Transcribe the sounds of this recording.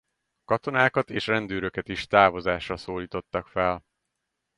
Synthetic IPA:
kɒt̪o̞naːkɒt̪eːʃrɛnd̪øːɾøkɛt̪iʃt̪aːvo̞zaːʃrɒsoːliːt̪o̞t̪ːɒkfɛl

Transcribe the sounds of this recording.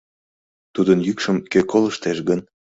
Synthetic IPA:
t̪ud̪ənjykʃəmkøkoləʃt̪eʃɡən

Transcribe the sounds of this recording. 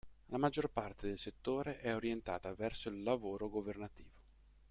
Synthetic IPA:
lamad͡ʒːorpart̪ed̪elset̪ːoːɾeʔɛoɾjent̪a̰ːt̪avɛrsoilːavoːɾoɡovernat̪iːvo

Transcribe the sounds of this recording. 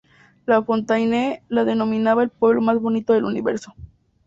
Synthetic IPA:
lafo̞nt̪ajnelaðe̞no̞mĩnaβaelpwe̞βlo̞mazβo̞nit̪o̞ðe̞luniβe̞̰ɾso̞

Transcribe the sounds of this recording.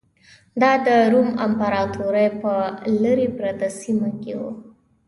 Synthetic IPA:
d̪ɑd̪əɾumampaɾɑt̪uɾajpələɾipɾat̪asimakḛwṵ

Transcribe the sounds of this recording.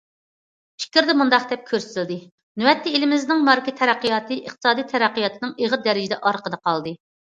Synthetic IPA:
pʰi̥kʲiɾd̪ɛmund̪ɑqd̪ɛp̚kʲʰøɾsɪ̥t̪ʰɪld̪ɨ | nywɛt̪ːiilɪmɪznɪŋmɑɾkʲit̪ʰɛɾæqːijɑːt̪ɨʔiqt̪ʰɨ̥sɑːd̪ijt̪ʰɛɾæqːəjɑt̪ʰɨnɨŋeʁəd̪ɛɾɪd͡ʒɪd̪ɛʔɑɾqəd̪ɑqʰɑlˠd̪ɨ

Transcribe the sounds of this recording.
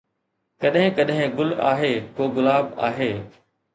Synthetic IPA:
kɐɗɦɪ̃kəɗɦɪ̃ɡʊla̰ːɦeːkoːɡʊlaːba̰ːɦeː

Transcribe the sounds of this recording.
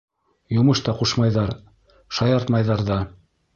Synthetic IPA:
jŏmɤʃt̪ɑquʃmɑjðɑɾ | ʃɑjɑɾt̪mɑjðɑɾðɑ

